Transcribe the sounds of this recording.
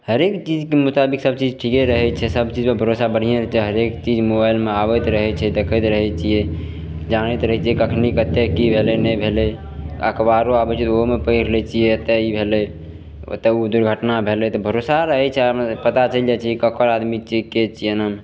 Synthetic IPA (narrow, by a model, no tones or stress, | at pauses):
həɾekt͡ʃid͡ʒkemut̪abiksəb̚t͡ʃid͡ʒʈʰikeɾəɦɛt͡ʃʰɛsəbt͡ʃid͡ʒmebʱəɾosabəɽ̤ijeɾt͡ʃʰɛɦəɾekt͡ʃid͡ʒmobajlmeaβət̪ɾəɦɛt͡ʃʰɛd̪ekʰət̪ɾəɦɛt͡ʃʰijɛ | d͡ʒanɛt̪ɾəɦɛt͡ʃijɛkəkʰnikət̪ːekibʱelɛnɛbʱelɛ | ə̰kbaɾoabət͡ʃʰɛt̪omepəjɾlɛt͡ʃʰijet̪ɛibʱelɛ̰ | t̪ɛud̪uɾɡʱəʈnabʱelɛt̪ɔbʱəɾosaɾəɦɛt͡ʃʰɛpət̪at͡ʃəld͡ʒat͡ʃʰɛkəkʰəɾad̪mit͡ʃeket͡ʃʰenən